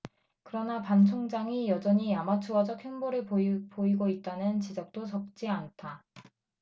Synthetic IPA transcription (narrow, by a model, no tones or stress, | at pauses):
kɯɾʌnapant͡ɕʰoŋd͡ʑaŋijʌd͡ʑʌɲijamat͡ɕʰuwʌd͡ʑʌk̚heŋboɾɯɭpoiɡoit̚t͈anɯnt͡ɕid͡ʑʌk̚t͈osʰʌk̚t͡ɕ͈iantʰa